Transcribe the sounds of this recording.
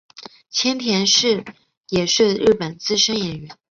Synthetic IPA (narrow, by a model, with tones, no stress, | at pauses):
t͡ɕʰjɛ˥nt̪ʰjɛ˧˥nʂɻ̩˥˩ | jɛ˨˩ʂɻ̩˥˧ɻɻ̩˥˩pə˨˩nt͡sɹ̩˥˩ʂə˥njɛ˨˩nɥɛ˧˥n